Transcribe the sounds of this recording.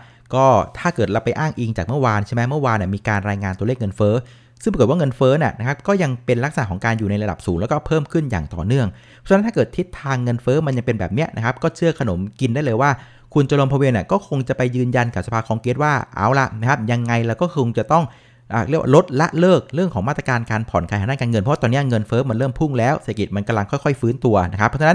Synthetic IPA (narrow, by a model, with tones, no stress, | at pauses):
kɔː˥˩t̪ʰaː˥˩kɤː˨˩t̪̚la˧˩wpa˧jʔaː˥˩ŋʔiː˧ŋt͡ɕaː˨˩k̚mɯ˥˩ɐwaː˧nt͡ɕʰe˥˩mɛ˦˥mɯ˥˩ɐwaː˧nːi˨˩miː˧kaː˧nɾaː˧jŋaː˧nt̪u˧leː˥˩k̚ŋɤ˧nfɤː˦˥ | sɯ˥˩pa˧˨˩waː˥˩ŋɤ˧nfɤː˦˥ni˧˩əna˦˥kʰa˦˥p̚kɔː˥˩ja˧ŋpe˧nla˦˥k̚sa˧na˨˩kʰɔ˩˦ŋkaː˧njuː˨˩na˧jla˧da˨˩p̚suː˩˦lɛː˦˥wkɔː˥˩pʰɤː˥˩mkʰɯ˥˩nja̰ː˨˩ŋt̪ɔ̰ː˨˩nɯ˥˩əŋʰ˥˧˦ | t̪ʰaː˥˩kɤː˨˩t̪ʰːi˦˥t̪ʰːaː˧ŋːɤ˧nfɤː˦˥ma˧nja˧ŋpe˧nbɛ̰ː˨˩p̚ni˦˥ɐʔna˦˥kʰp̚kɔː˥˩t͡ɕʰɯ˥˩ɐkʰa˧no˩˦mki˧nda˥˩jlɤː˧jwaː˥˩ | kʰu˧nt͡ɕo˧lo˧mpʰɔ˧weː˧ni˨˩kɔː˥˩kʰo˧ŋt͡ɕa˨˩pa˧jːɯː˧nja˧nka˨˩p̚sa˧pʰaː˧˩kʰɔː˧ŋkeː˦˥t̪̚waː˥˩ʔa̰ː˨˥˩wla̰˧˩ʔna˦˥kʰa˦˥p̚ja˧ŋːa˧jlɛː˦˥wkɔː˥˩kʰo˧ŋt͡ɕa˨˩t̪ɔ˥˩ŋ | ʔaː˨˩ɾwa̰ː˥˨lo˦˥t̪̚la˦˥ʔlɤː˥˩k̚ɾɯ˥˩ŋkʰɔː˩˦ŋmaː˥˩t̪ɾa˧kaː˧nkaː˧npʰɔ˨˩˦nkʰaː˧˦jhaː˨˦aː˥˨kaː˧nŋɤ˧npʰwːt̪ɔː˧nːi˦˥ɐ˥˩ŋɤ˧nfɤː˦˥ma˧nɾɤː˥˩mpʰu˥˩ŋlɛː˦˥wseː˨˩a˧ki˨˩t̪̚ma˧nka˧la˧ŋkʰɔ˥˩jkʰɔ˥˩jfɯː˦˥nt̪u˧ɐna˦˥kʰa˦pʰːɔ˦˥t͡ɕʰːna˦˥n